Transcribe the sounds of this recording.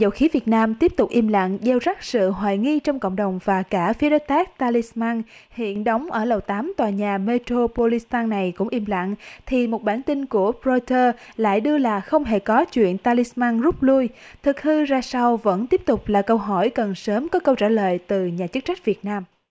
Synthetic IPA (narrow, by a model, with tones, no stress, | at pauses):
zə̰˧˨˩wxi˨˦vi˨˩ət̚naː˧mt̪i˦˥əp̚t̪ʊ˨˩k͡p̚ʔi˧mla̰˧˨ŋɗe˧wza˦˥k̚sɨ̰˧˨ɦwa̰ː˧˨jŋi˧t͡ɕɔ˧wŋ͡mkə̰˧˨wŋ͡mɗə˨˩wŋ͡mvaː˨˩kaː˧˩fi˨˦əɗo˨˦jt̪aː˦˥k̚t̪aː˧li˧smaː˧nhwḭ˧˨ənɗə˨˦wŋ͡mʔəː˧˩lə˨˩wt̪aː˨˦mt̪waː˨˩ɲaː˨˩me˧t̪ɾo˧po˧li˧st̪aː˧nːa˨˩jkʊ̰˧˥ŋ͡mʔi˧mla̰˧˨ŋt̪ʰi˨˩mo˨˩t̚ɓaː˧˩nt̪i˧nku˧˩əpɾo˧t̪əː˧la̰ː˧˨jɗɨ˧əlaː˨˩xə˧wŋ͡mɦe˧˩kɔ˨˦t͡ɕwḭ˧˨ənt̪aː˧li˧smaː˧nzʊ˦˥p̚lu˧jt̪ʰɨ˨˩k̚hɨ˧zaː˧sa˧wvə̰˧˥nt̪i˦˥əp̚t̪ʊ˨˩k͡p̚laː˨˩kə˧wɦɔ˧˩jkə˨˩nsəː˨˦mkɔ˨˦kə˧wt͡ɕaː˧˩lə̰ː˧˨jt̪ɨ˨˩ɲaː˨˩t͡ɕɨ˦˥k̚t͡ɕa˦˥k̟̚vi˨˩ət̚naː˧m